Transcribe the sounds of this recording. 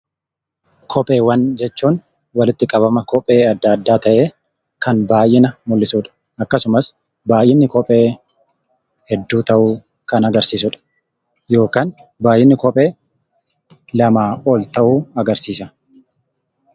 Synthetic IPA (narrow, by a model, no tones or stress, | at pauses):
kʰɔpʼe̞ːwɐnd͡ʒɛt͡ʃːuːn | wɐlɪt̪ːɪkʼɐβɐmɐkɔpʼe̞ːɐd̪ːɐd̪ːaːt̪ɐʔe̞ː | kɐnbaːjʔɪnɐmʊlːɪsuːᶑɐ̥ | ʔɐkːɐsʊmɐs | baːʔɪnːɪkɔpʼe̞ː | hɛd̪ːuːt̪ɐʔuː | kɐnɐɡɐɾsiːsʊᶑɐ̥ | jo̞ːkaːnbaːjʔɪnːɪkɔpʼe̞ː | lɐmaːo̞ːlt̪ɐʔuːɐɡɐɾsiːsɐ